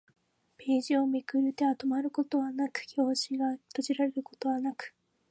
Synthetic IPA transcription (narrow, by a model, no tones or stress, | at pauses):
pe̞ːʑio̞mikɯ̟ɾɯ̟t̪e̞at̪omaɾɯ̟ko̞t̪o̞βanakɯ̟̥çʲo̞ːɕiɡat̪oʑiɾaɾeɾɯ̟ko̞̥t̪o̞βanakɯ̟̥